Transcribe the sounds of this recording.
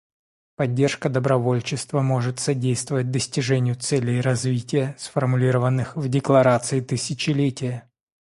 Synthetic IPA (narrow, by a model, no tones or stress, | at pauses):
pɐdʲːerʂkəd̪əbɾɐvo̞lʲt͡ɕɪst̪vəmo̞ʐɨt̪sɐdʲejst̪vəvət̚ʲd̪əsʲtʲɪʐɛnʲɪjʊt̪sɛlʲɪjɾɐzvʲitʲɪjəsfərmʊlʲiɾəvənːɨxvdʲɪklˠɐɾat̪sɨɪt̪ɨsʲɪt͡ɕɪlʲetʲɪjə